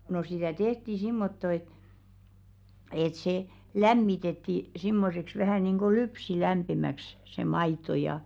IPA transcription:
no sitæˑ tehti simːotːo et et se læmːitetːi simːoseks ʋæhæˑ niˑnɡ̊o lypsilæmpimæks se mɑito jɑ jɑː

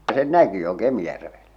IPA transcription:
sen næki jo kemĭjærʋelːæ

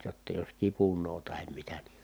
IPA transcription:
jotːɑ jos kipunˑoː tɑhem mitæ ni

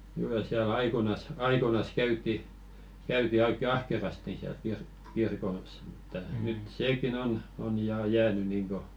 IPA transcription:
kylːæ siæl ɑikonɑs ɑikonɑs kæytˑi kæyti oikːe ɑhkerɑsti siæl kir kirkos mu̥tːɑ nyt seːkin on on jɑː jæːny niːŋko

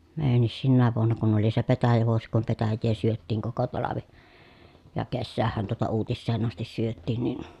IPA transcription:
meːjænːis sinːæːʋ ʋuonːɑ kun oli se petæjæʋuosi kum petæjːeː syøtːiːŋ koko tɑlɑʋi jɑ kesːæːhːæn tuotɑ uːtisːeːn ɑstis syøtːiˑn nin

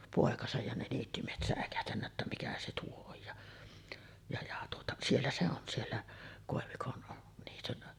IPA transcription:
poˑekɑsɑj jɑ ne niːtːymiehet sæˑekæhtænːæ tːæ mikæ se tuo oj jɑ jɑ jɑ tuotɑ sielːæ se on sielːæ koˑeʋikon niːtyn

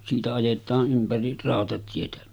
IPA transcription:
siːtæ ɑjetˑɑːʔ ʔympæri rɑˑotɑtietæ

